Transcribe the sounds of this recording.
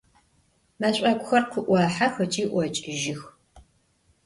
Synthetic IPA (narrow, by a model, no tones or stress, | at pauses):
maɕʼɐkʷʊxɐrqʰʷʊʔʷɑːħaxɐt͡ʃʼiːʔʷɔt͡ʃʼɪʒɪx